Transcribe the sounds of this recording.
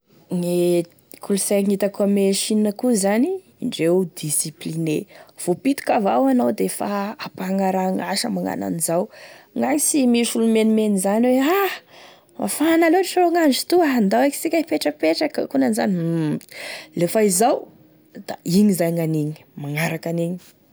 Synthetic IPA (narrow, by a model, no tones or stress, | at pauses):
ŋe | kʰuluseŋit̪akuameʃiəkuzaniː | ɳɖ͡ʐewd̪isiplinev̥opit̪u̥kavawanowd̪efaapaŋaɾaŋaʃəmaŋa̰na̰nizawŋaŋisimiʃulumenimenizaniwea | ma̰fanaloɾiʃaɾoŋand͡ʒit̪uaɦand̪awaki̥t͡sikʲapeʈ͡ʂəpeʈ͡ʂakəkunaniza̰ni | lefaizaw | d̪̥a̰iɲizajŋaniɲi̥maŋaɾakaniɲi̥